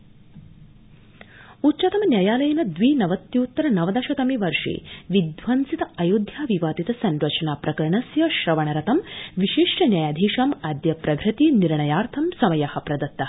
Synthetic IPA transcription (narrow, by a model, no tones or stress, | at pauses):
utːt͡ʃɐt̪ɐmnjɐjaːlɐjɐnɐd̪ʋiːnɐʋɐt̪jiut̪ːɐɾɐnɐʋɐd̪ɐʃɐt̪ɐmiʋɐɾʂḭːʋid̪ʋɐnsit̪ɐɐjud̪ʱjaːʋiʋaːd̪it̪ɐsɐɳɖʋɐt͡ʃɐnaːpɾɐkɐɾɐɳɐsjɐʃɾɐʋɐɳɐɾɐt̪ɐmʋiʃiʂʈʰɐnjaːjaːd̪ʱiːʂaːmaːd̪jɐpɾɐɡʱɾɐt̪iniɾɳɐjaːɾt̪ʰɐmsɐmɐjaːhɐ̆pɾɐd̪ɐt̪ːɐɐ